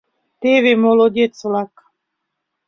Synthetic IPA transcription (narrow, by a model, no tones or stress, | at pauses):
t̪eβemolˠodʲett͡slak